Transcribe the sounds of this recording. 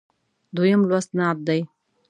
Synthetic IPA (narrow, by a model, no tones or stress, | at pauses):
d̪wojamlwast̪nab̪̚d̪aj